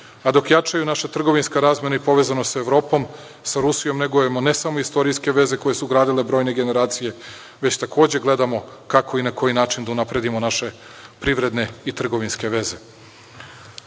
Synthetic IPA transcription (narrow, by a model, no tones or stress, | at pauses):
ad̪o̞kjat͡ʂajunaʃat̪r̩ɡo̞ʋinskaɾaːzmje̞naipo̞ʋe̞ːzanosaeʋɾo̞ːpo̞m | saɾusijo̞mneɡojemo̞ne̞samo̞ist̪o̞ɾijske̞ʋe̞ze̞ko̞jesuɡɾaːd̪ile̞bɾo̞ːjne̞ɡe̞ne̞ɾaːt̪sije̞ | ʋe̞t͡ɕt̪akʰo̞ːd͡ʑe̞ɡle̞d̪amo̞kakʰo̞inako̞jinaːt͡ʃind̪aunapɾe̞d̪imo̞naʃe̞ | pɾiʋɾe̞d̪ne̞it̪r̩ɡo̞ʋinske̞ʋe̞ze̞